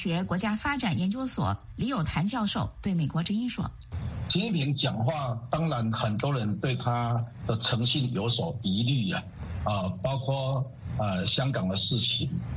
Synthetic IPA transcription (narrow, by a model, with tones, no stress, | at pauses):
ɕɥɛ˧˥kwɔ˧˥t͡ɕja˥fa˥ʈ͡ʂa˨˩njɛ˧˥nt͡ɕjo˥ʊswɔ̰˨˩˦ | li˧˥jo˨˩ʊt̪ʰa˧˥nt͡ɕjɑ˥˧ʊʂo˥˩ʊt̪we˥˩ɪme˨˩ɪkwɔ˧˥ʈ͡ʂɻ̩˥i˥nʂwɔ̰˥ | t͡ɕʰi˧˥ni˥˩pʰi˧˥ŋt͡ɕjɑ˨˩ŋxwa˥˩t̪ɑ˥ŋɻa˧˥nxə˨˩nt̪wɔ˥ɻə˧˦nt̪we˥˩ɪt̪ʰa˥d̪̥ə˨t͡sʰɤ˧˥ŋɕi˥˩njo˧ʊswɔ˨˩i˧˥ly˥˩a˩ə˨˩pɑ˥ʊkʰwɔ˥˩ | ə˨ɕjɑ˥ŋkɑ˨˩ŋd̪ə˦ʂɻ̩˥˩t͡ɕʰi˨˥˦ŋ